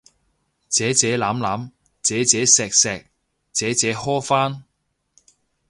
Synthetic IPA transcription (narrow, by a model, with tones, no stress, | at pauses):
t͡sɛː˨˥t͡sɛː˨˥laː˨˥mlaː˨˥m | t͡sɛː˨˥t͡sɛː˨˥sɛː˨k̚sɛː˨k̚ | t͡sɛː˨˥t͡sɛː˨˥hɔː˥faː˥n